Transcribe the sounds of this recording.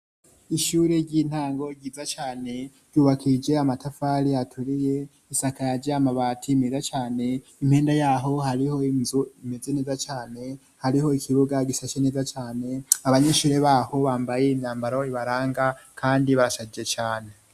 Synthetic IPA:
iʃuːɾe̞ɾɟiːn̥haːŋɡo̞ɟiːzat͡ʃaːne̞ | ɾɟjuːβakid͡ʒe̞amatafaːɾiatʰuɾije̞ | isakajaɟeamaβaːtʰiːme̞zat͡ʃaːne̞im̥he̞ːndajaːɦo̞haɾiho̞izuime̞ze̞ne̞ːzat͡ʃaːne̞ | haɾiho̞ikʰiβuɡaɡisat͡ʃene̞ːzat͡ʃaːne̞aβaɲeʃuːɾe̞βaːho̞βaːmbaje̞imɲaːmbaɾo̞iβaɾaːŋɡakʰaːndiβaɾasad͡ʒd͡ʒet͡ʃaːne̞

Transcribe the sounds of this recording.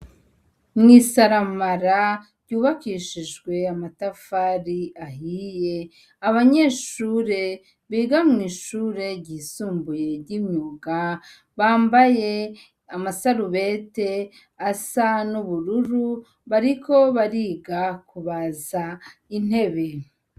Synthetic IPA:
mŋiːsaɾamaɾaɾɟuːβakiʃiʒɡwe̞amatafaɾiahije̞ | aβaɲeːʃuːɾe̞ | βiːɡamŋiːʃuɾe̞ɟiːsuːmbuje̞ɾɟimɲuɡa | βaːmbaje̞ | amasaɾuβete̞ | asanuβuɾuɾu | βaɾiko̞βaɾiːɡakʰuβazain̥he̞βe

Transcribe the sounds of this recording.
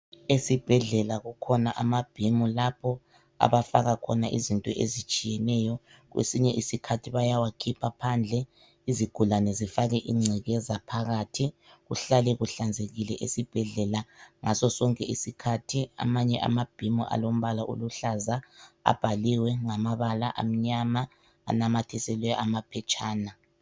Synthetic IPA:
esib̥ʱɛɮɛlaɣukʰɔnaʔamab̥ʱimulapʰɔ | a̰βafaɣakʰɔnaʔizintʼɔʔḛzit͡ʃʼijɛnɛjɔ | ɣwḛsiɲɛʔisikʰatʰiβajawakʰipʰapʰand͡ɮʱɛ | iziɡ̥ʱulanɛzifaɣɛʔiŋ͡ǀʱɛɣɛzapʰaɣatʰiɣuɬalɛɣuɬand͡zʱeɣilɛ̰ʔesib̥ʱɛɮɛlaŋasɔsɔŋkʼɛisikʰatʰia̰maɲɛʔa̰mab̥ʱimɔ̰ʔa̰lom̩βalaʔo̰luɬazaa̰b̥ʱaliwɛŋamaβalaʔa̰m̩ɲama̰ː | namatʰisɛlwɛamapʰɛt͡ʃʼaːna

